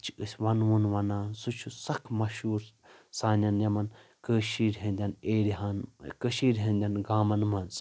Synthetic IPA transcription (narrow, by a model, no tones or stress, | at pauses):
t͡ʃʰɨsʲʋɐnʋunʋɐnaːnsut͡ʃʰusɐkʰmɐʃuːɾ | saːnʲɐnjɐmɐnkəːʃiːɾɦɐ̃nʲd̪ʲɐneːɾiɦaːnkəʃiːɾʲɦɐ̃nʲd̪ʲɐnɡaːmɐnmɐnz